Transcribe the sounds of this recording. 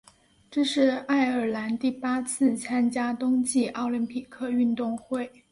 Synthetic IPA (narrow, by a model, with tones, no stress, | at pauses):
ʈ͡ʂɤ˥˧ʂɻ̩˥˧a˥˩ɪə˞˨˩la˧˥nt̪i˥˩pa˥t͡sʰɹ̩˥˩t͡sʰa˥nt͡ɕja˥t̪ʊ˥ŋt͡ɕi˥˧ɑ˥˩ʊly˧˥npʰi˨˩kʰɤ˥˧y˥˧nt̪ʊ˥˧ŋxwe˥˩ɪ